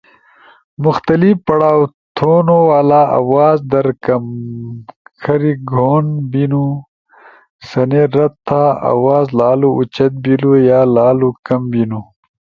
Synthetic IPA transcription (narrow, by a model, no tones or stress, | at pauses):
mʊxt̪ɐlifpɐɽaːw | t̪ʰonowaːlaːʔa̰wɑːzd̪ɐɾkɐm | kʰɐɾiɡʱoːnbinu | sɐneɾɐt̪t̪ʰːaa̰wɑːzlaːluut͡ʃɐt̪̚bilujaːlaːlukɐmbinu